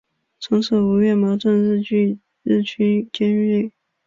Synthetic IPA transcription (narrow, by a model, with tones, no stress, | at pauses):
t͡sʰɤ˧˥ŋʂɤ˥˩u˧˥ɥɛ˥˩nmɑ˧˥ʊʈ͡ʂə˥˧nɻ̩˥˧t͡ɕy˥˧ | ɻɻ̩˥˩t͡ɕʰy˥nt͡ɕjɛ˥nɥe˥˩